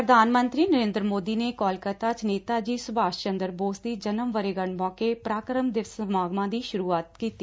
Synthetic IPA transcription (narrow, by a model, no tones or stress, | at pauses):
pɾəd̪ʱaːnmə̃nt̪ɾiːnəɾẽːnd̪ɾəmoːd̪iːneːkɔːlkət̪aːt͡ʃneːt̪aːd͡ʒiːsʊbʱaːʃt͡ʃənd̪əɾboːsd̪iːd͡ʒənəmʋəɾeːɡəɳmɔːkeːpɾaːkɾəmd̪ɪʋsəmaːɡmãːd̪iːʃʊɾuːaːt̪kiːt̪iː